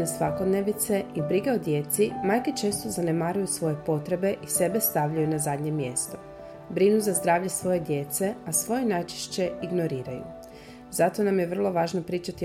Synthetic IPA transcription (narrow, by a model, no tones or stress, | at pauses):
nesʋako̞d̪neʋnit̪se̞ibɾiɡeod̪je̞t̪simajke̞t͡ʃe̞ːst̪o̞zanemaːɾujusʋo̞je̞po̞t̪ɾe̞be̞ʔise̞be̞st̪aʋʎajunazad̪ɲe̞mje̞st̪o | bɾinuzazd̪ɾaːʋʎesʋo̞je̞d̪je̞t̪se̞asʋo̞jenajt͡ʃe̥ʃt͡ɕe̞iɡno̞ɾiːɾajṵ | zat̪o̞namje̞ʋr̩lˠo̞ʋaːʒnopɾiːt͡ʃat̪i